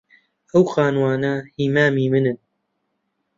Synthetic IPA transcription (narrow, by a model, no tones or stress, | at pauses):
ɐwxaːnwɑːnahiːmaːmiːmɨnɨ